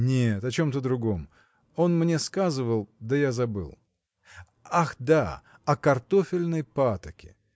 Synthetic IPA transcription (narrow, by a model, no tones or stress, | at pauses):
nʲet̪ɐt͡ɕo̞mt̪əd̪ɾʊɡo̞m | o̞nmnʲeskazɨvəlˠd̪əjazɐbɨ̰lˠ | axd̪a | ɐkɐrt̪o̞fʲɪlʲnəjpat̪əkʲɪ̰